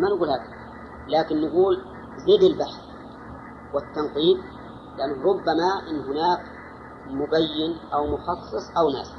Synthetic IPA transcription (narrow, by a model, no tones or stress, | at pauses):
manɪɡuːlhaːk̪a | laːkɪnːɪɡuːl | zeːd̪albaħθ | wɪt̪ːɑnqiːd̪̚ | lɪʔanːɾˤʊbːamaʔɪnːɦʊnaːk | mʊbajːɪnʔawmʊxɑsˤːɨsˤʔawna̰ːs